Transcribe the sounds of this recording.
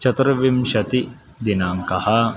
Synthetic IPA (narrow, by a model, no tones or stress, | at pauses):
t͡ʃɐt̪ɐɾɐʋimʃɐt̪i | d̪inaːŋkɐha